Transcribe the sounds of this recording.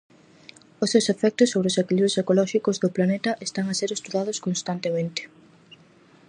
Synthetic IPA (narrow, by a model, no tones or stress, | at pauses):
osewsefɛk̚t̪ʊsːoβɾeosekiliβɾosekolɔʃikozðoplanet̪ɐʔest̪aŋaseɾest̪uðaðʊskonst̪ant̪emẽnt̪e̥